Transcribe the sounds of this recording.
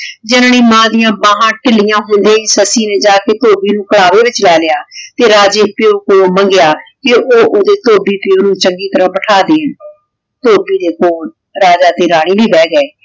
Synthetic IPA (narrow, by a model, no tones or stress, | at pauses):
d͡ʒɪnniːmãːd̪ɪjãːbãːɦãːʈɪlɪjãːɦʊ̃nd̪ẽːisəsiːneːd͡ʒaːkeːt̪oːbiːnũːkəɽaːʋeːʋɪt͡ʃlɛːlɪjaːt̪eːɾaːd͡ʒeːpɪoːkoːoməŋɡɪjaːkɪoːʔoːd̪eːt̪oːbiːpɪoːnũːt͡ʃəŋɡiːt̪əɾãːbəʈʰaːd̪eː | t̪oːbiːd̪eːkoːl | ɾaːd͡ʒaːt̪eːɾaːɽ̃iːbiːbɛːɡɛː